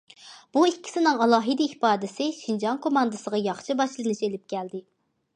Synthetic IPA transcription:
b̥uikʲʰːi̥sɪnɨŋɑlˠɑːɦɨd̪ɨihpɑːd̪ɪsɪʃind͡ʒɑŋkʰomɑnd̪ɨsəʁɑjɑχʃɨbɑʃlˠɨnɨʃelɪp̚kʲɛld̪ɪ

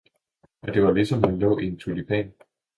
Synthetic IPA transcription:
jæd̥e̝ʋɑ̈lisɒ̽mhunlɔ̰ːʔe̝nt͡sʰulipʰɛ̰ːn

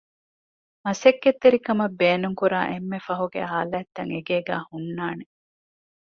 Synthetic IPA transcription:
mɐsekːet̪ːeɾikɐmɐbːeːnuŋkuɾa̰ːʔemːefɐɦuɡḛɦaːlæːt̪ːɐŋeɡeːɡæ̰ːhunːaːne

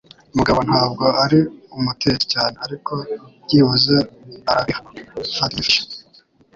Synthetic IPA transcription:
umuɡaβo̞n̥haːb̚ɡo̞aɾiumute̞ɾecaːneaɾiko̞jiːβuzeaɾaβifaɾiʃe̥

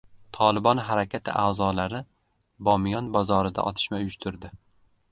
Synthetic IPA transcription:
t̪ʰɒlɪbɒnɦaɾakʲʰat̪ʰɪʔaːzɒlaɾɪ | bɒmɪjɒnbɒzɒɾɪd̪a̰ʔɒt̪ʰɪ̥ʃmaʊjʊʃt̪ʰʊɾd̪ɪ

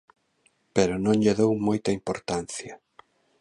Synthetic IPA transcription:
peɾʊnõŋʎeðowmojt̪ɐimpoɾt̪anθjɐ

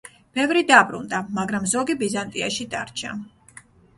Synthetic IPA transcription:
b̥ɛvɾid̪abɾṵnd̪amaɡɾamzɔɡibizant̪ʼiaʃid̪aɾt͡ʃʰa

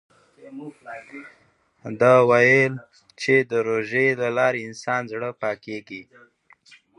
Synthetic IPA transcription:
d̪awajəl | t͡ʃed̪əɾoʒelalɑɾeɪnsɑnzɽəpɑkeɡi

